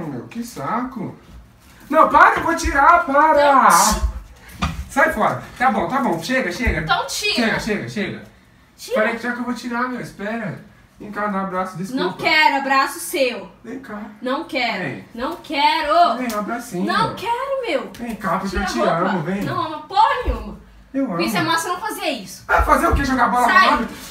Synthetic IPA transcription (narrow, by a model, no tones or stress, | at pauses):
mḛwkɪsakʊ | nɐ̃w̃paɾevot͡ʃiɾapaɾa | sajfɔɾɐt̪abõw̃t̪abõw̃ʃeɡɐʃeɡɐɐ̃w̃t͡ʃiʃeɡɐʃeɡɐʃeɡɐ̰ | t͡ʃipaɾejkɪʒakewvot͡ʃiɾamewɪspɛɾɐ | ẽkad̪aabɾasʊd̪esnɐ̃w̃kɛɾʊabɾasʊsewẽj̃kaɾnɐ̃w̃kɛɾḛ̃jnɐ̃w̃kɛɾoẽabɾasĩnɐ̃w̃kɛɾʊmewẽj̃kapɐet͡ʃiɾaɐ̃ʊvẽj̃nɐ̃w̃ɐmɐpõũmɐ | ewɐ̃ĩsamɐ̃senɐ̃w̃faziɐisʊ̥afazeɾʊkeʒoɡabɔlɐaabɪ